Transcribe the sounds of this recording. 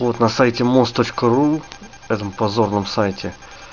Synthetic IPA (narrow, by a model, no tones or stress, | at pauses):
vo̞t̪nɐsajtʲɪmost̪o̞t͡ɕkəɾu | ɛt̪əmpɐzo̞rnəmsajtʲɪ